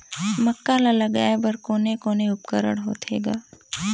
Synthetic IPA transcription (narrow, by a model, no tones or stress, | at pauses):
məkːalalɐɡa̰ːebɐɾkoːnekoːneʊpkəɾə̰ɽɦo̰ːt̪ʰḛːɡa̰ː